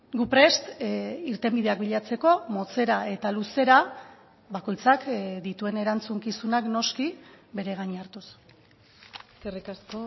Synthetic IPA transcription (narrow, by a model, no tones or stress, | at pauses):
ɡupɾe̞st̪iɾt̪e̞mbið̞e̞ak̚biʎat͡se̞ko̞mo̞t͡se̞ɾae̞t̪aluse̞ɾa | bako̞jt͡sakd̪it̪ue̞ne̞ɾant͡suŋkisunakno̞skibe̞ɾe̞ɣ̞aɲaɾt̪us | eskerikasko